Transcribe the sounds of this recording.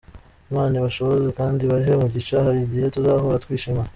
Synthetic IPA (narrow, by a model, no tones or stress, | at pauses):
βaːniβaʃo̞βozekaːndiβaɾiɦemuɟit͡ʃahaɾiɟijetuzaβhoɾatwiːʃima